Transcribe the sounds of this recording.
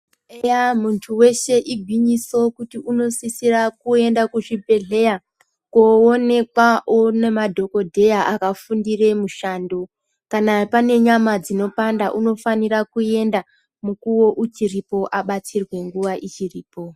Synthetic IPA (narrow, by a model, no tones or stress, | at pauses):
ejamuntʰuwe̞ʃe̞ʔiɡʱwiɲiso̞kutiuno̞sisirakue̞ndakuʐibʱe̞ɮe̞ja | koone̞kwaʔone̞madʱo̞ko̞dʱe̞jaʔakafundire̞muʃaːndo | kanapane̞ɲamad͡zino̞pandaʔuno̞fanirakue̞nda | mukuwo̞ʔut͡ʃiripo̞ʔaɓatirwe̞ŋɡuʋaʔit͡ʃiriːpo̞